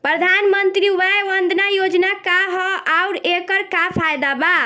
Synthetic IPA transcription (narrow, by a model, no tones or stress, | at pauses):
pɾəd̪ʱanmənt̪ɾiuʋajʋənd̪ʱnajod͡ʒnakaɦɔaʊɾekəɾkapʰajd̪aba